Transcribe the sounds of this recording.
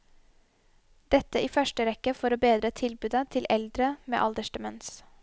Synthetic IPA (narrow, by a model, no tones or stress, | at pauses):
d̪̥ɛt̪əʔiːfœʃʈəɾɛkːəfɔɾoːbeːd̪ɾət̪ʰɪlbʉːd̪ət̪ʰɪlʔɛld̪ɾəmḛːʔɑld̪əʂʈəmɛns